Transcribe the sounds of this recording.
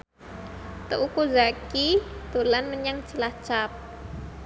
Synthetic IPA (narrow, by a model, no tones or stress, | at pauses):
t̪əʔukuzakit̪ulanməɲaŋt͡ʃilaht͡ʃap̚